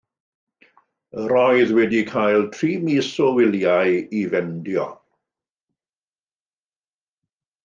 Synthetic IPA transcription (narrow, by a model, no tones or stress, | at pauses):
əɾɔjɨðwɛdikʰajlˠtʰriːmisɔwɪljajivɛndjɔ